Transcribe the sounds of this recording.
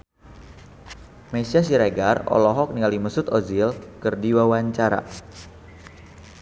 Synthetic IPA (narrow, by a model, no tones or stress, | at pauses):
mesias̬iɾaɡarɔ̰lɔɦɔk̚niŋɡaliməsʊt̪ozilkərdiwawaɲt͡ʃaɾa̰